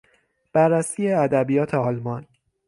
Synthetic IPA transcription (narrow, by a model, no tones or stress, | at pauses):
b̥ærːæsiːjeæd̪æbijɒːt̪ʰe̞ɒːlmɒn